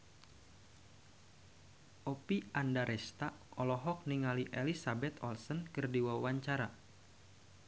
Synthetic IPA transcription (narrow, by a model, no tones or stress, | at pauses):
ʔopiandaɾʔɛst̪aɔlɔɦɔk̚niŋaliʔelisabɛt̪ɔlsənkərdiwawaɲt͡ʃaɾa